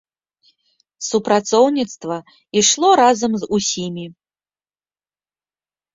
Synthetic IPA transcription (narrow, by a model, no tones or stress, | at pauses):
supɾat̪sɔwnʲit̪st̪vɐ | iʂlˠɔɾazɐmzusʲimʲi